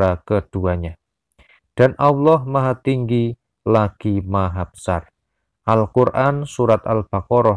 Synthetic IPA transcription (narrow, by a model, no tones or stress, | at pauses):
akəd̥uaɲa | d̥a̤nʔawlɔhmaɦat̪iŋɡi | laɡ̥imaɦab̥ə̥sar | ʔalkurʔansuɾat̪alb̥akɔɾɔ